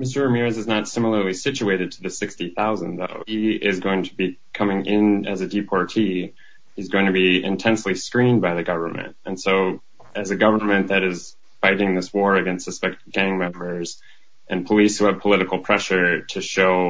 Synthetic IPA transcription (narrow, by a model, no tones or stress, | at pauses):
mɪs̬tə˞ɨmiɹɨzɨznətsɪ̃ml̩ˠə˞lisɪt͡ʃʉeɪɾɨd̚tʰɨðɨsɪkstiθaʊzə̃nðo̰ʊiɪzɡoʊɪ̃ŋtʰəbi | kʰʌmɪ̃ŋʔɪ̃nɨ̰zɨdipʰɑɹtʰi | hizɡoʊɪ̃ŋtʰɨbiɪ̰̃ntʰɛ̃nsliskɹĩnbaɪðɨɡʌvə˞mɨ̰̃nt̚ɨ̃nsoʊ | ɨzɨɡʌvə˞mɨ̃nðɨɾɨz | faɪɾɪ̃ŋðɪswɔɹɨɡɛ̃nstsɨspɛk̚tɨvɡæ̃ŋmɛ̃mbə˞z̥ | ʔɨ̃npʰəlishʉɨv̥pʰəlɪɾɨkl̩ˠpʰɹ̥ɛʃə˞ɾɨʃoʊ